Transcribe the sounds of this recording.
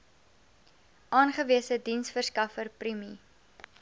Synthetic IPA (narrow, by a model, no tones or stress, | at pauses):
ʔɑːnχəviəsədinsfərskɐfərprimi